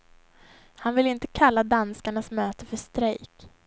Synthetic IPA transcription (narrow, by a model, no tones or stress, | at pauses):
hanvɪlɪnt̪əkʰalːad̪anskaɳasmøːt̪əfœʂt̪ɾɛjk